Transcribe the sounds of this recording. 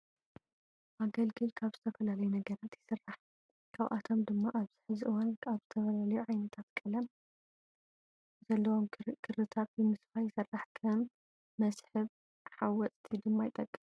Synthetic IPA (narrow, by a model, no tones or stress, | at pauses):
ʔaɡɐlɡɨlkʰaβzɨt̪ʰɐfɐlalɐjunɐɡɐɾat̪jɪsɨrːaħ | kʰaβʔa̰t̪ʰo̞md̪ɨmːaʔaβz̥ɨħɨzʔɨwanaβzɨt̪ʰɐfɐlalɐjuʕajnɐt̪ʰat̪kʼɨlɐm | zɐlːɐwomkʰɨɾɨt̪ʰat̪jɨmɨsfajɪsɨrːaħkʰɐmː | ɐsħɨβ | ħawɔt͡sʼt̪ʰid̪ɨmːajt̪ʼːɐkʼːɨm